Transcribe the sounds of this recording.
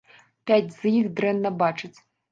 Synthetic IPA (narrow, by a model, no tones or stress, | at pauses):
pʲæt͡sʲz̥jixd̪rɛnːɐbat͡ʂɨt͡sʲ